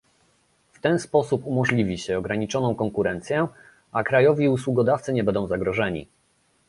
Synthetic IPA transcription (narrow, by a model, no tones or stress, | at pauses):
ft̪ɛnspɔsupumɔʐlʲivʲiɕɛɔɡɾaɲit͡ʂɔnɔ̃w̃kɔŋkuɾɛnt̪sʲjɛ | akɾajɔvʲiuswuɡɔd̪aft̪sɘɲɛbɛnd̪ɔ̃w̃zaɡɾɔʐɛɲḭ